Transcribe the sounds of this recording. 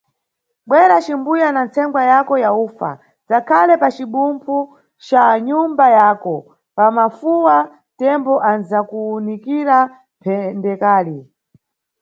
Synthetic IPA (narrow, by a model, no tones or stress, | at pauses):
ɓwɛɾat͡ʃimbujanant͡sɛŋɡwajakɔjauːfa̰ | d͡zakʰalɛpat͡ʃiɓumpʰu | t͡ʃaɲumbajaːkɔ | pamafuwa | tɛmbɔʔanzakuːnikiɾa | mpʰɛndɛkaːli